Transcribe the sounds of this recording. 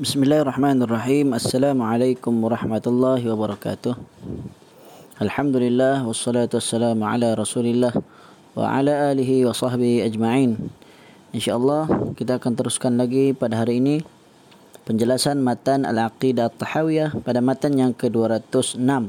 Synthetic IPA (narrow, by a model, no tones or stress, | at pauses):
bɪsmɪlːaːhrˤːɑħmaːnarˤːɑħiːmasːalaːmuʕalajkʊmwɑɾˤɑħmat̪alːɑɦwabaɾˤɑka̰t̪ʊh | ʔalħamd̪ulɪlːahwɑsːɑlaːt̪uasːalaːmʕa̰laɾˤɑsuːlɪlːah | wa̰ʕa̰laʔaliɦiwɑsɑhbihiad͡ʒmaʕiːn | ɪnʃaʔɑlːɑhkit̪aːkant̪əɾʊskanlaɡipadaɦaɾiːni | pəɲd͡ʒəlasanmat̪ana̰lʕaqidat̪ˤːɑħawiahpadamat̪anjaŋkəduaɾat̪ʊsənam